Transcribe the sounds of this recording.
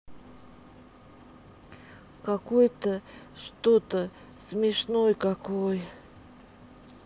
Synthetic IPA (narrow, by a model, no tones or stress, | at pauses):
kakojt̪əʂt̪ot̪ə | smʲeʂnojkakoj